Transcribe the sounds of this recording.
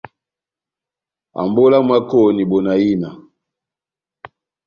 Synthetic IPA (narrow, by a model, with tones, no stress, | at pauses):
a̰˨mbɔ˦la˦mwa˦kɔ˦ni˨bɔ˨na˨ji˦na˨